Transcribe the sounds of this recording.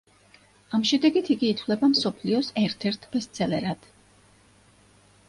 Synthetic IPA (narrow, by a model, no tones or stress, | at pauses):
amʃɛd̪ɛɡit̪ʰiɡiːt̪ʰvlɛbamsɔpʰliɔsɛɾt̪ʰɛɾt̪ʰbɛst̪sʰɛlɛɾad̪̥